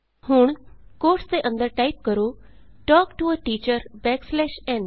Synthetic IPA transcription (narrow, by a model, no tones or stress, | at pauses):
huɳkoːɾʈst̪eʔə̃nd̪əɾʈaːip̚kəɾo | ʈɔːkʈuəʈiːt͡ɕəɾbɛːkslɛːʃɛ̃n